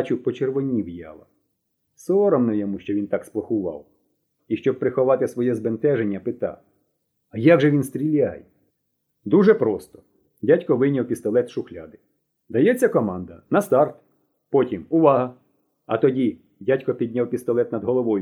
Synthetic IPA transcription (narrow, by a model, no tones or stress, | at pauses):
t͡ʃʊpɔt͡ʃerʋɔnʲiwjɑ̰lˠɐ̰ | sɔɾɔmnɔjɔmuʃt͡ʃɔʋʲint̪ɑksp̪ˠɐxʊʋɑ̰w | iʃt͡ʃɔb̚pɾɪxɔʋɑt̪ɪsʋɔjɛzbent̪ɛʒenʲːɐpɪt̪ɑ̰ | ɐjɑɡʒɛʋʲinst̪ʲɾʲilʲajɛ | d̪uʒɛpɾɔst̪ɔ̥ | dʲatʲkɔʋɪnʲɐwpʲist̪ɔlˠɛt̪ʃʊxlʲad̪ɪ | d̪ɐjɛt͡sʲːɐkɔmɑnd̪ɐnɐst̪ɑrt̪ | pɔtʲimʊʋɑɦɐ | ɐ̰t̪ɔdʲi | dʲatʲkɔpʲid̪ʲnʲawpʲist̪ɔlˠɛt̪nɐd̪ɦɔlˠɔʋɔjʊ